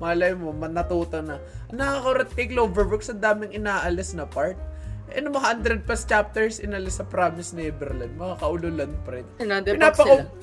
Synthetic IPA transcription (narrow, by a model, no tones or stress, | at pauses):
mɐlɐjmomɐnɐt̪uːt̪onɐ | nɐkakoɾɐt̪ːejklobɛɹbʊksɐnd̪aːmɪŋɪnaːʔɐlɪsnɐpaɹt̪̚ʔɐ̰nomɐɦand̪ɾɛd̪̚pɐst͡ʃap̚t̪ɛɹsɪnɐlɪsːɐpɾamɪsnɛbɛɾland̪̚mɐŋakɐʔʊlolɐnpɐɾɛt̪ɪnand̪pɪnaːpɐo